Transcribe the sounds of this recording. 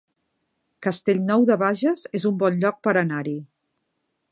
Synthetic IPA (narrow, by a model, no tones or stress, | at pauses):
kəst̪eʎnɔwðəβaʒəzezumbɔnʎɔk̚pəɾənaɾi